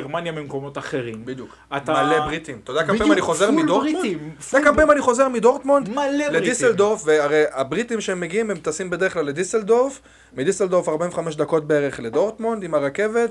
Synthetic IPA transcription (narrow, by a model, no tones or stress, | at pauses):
eʁmanjamimkomot̪aχeʁimbid̪juk | at̪amalebʁit̪imt̪od̪akameimaniχozeʁmmidoimoakampeimaniχo̞ze̞ʁmid̪o̞ʁt̪mond̪aleled̪iseld̪ofveaʁejabʁit̪imʃeemːeɡiimemt̪asimbed̪eʁeχklalːed̪iseld̪of | mid̪iseld̪oʁfaʁbaĩmveχameʃd̪ako̞t̪̚beeʁeχle̞d̪o̞ʁt̪mond̪imaʁake̞ve̞t̪̚